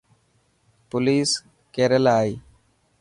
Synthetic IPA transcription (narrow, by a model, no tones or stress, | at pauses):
pʊliːs | keːɾəlaːiː